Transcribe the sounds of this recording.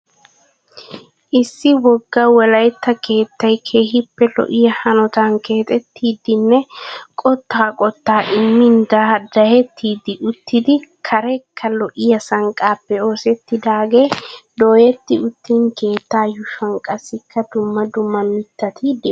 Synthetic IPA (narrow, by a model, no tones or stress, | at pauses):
ʔɪsːɪwɔɡːɐwɔlɐjt̪ːɐke̞ːt̪ːɐjkʰe̞ːɦɪpːɛlɔ̰ʔɪjɐhɐnɔt̪aːnke̞ːt̪ʼɛt̪ʰːiːd̪ːɪnːɛkʼɔt̪ːaːkʼɔt̪ːaːʔɪmːɪnd̪ɐːd̪ɐhɛt̪ʰːiːd̪ɪʔʊt̪ːɪd̪ɪkʰɐɾɛkʰːɐlɔʔɪjɐsɐŋkʼaːpːɛo̞ːsɛt̪ːɪd̪aːɡe̞ːd̪o̞ːjɛt̪ːɪʊt̪ːiːŋke̞ːt̪ːaːjʊʃɐŋkʼɐsɪkːɐd̪ʊmːɐd̪ʊmːɐmɪt̪ːɐt̪ʰid̪ɪ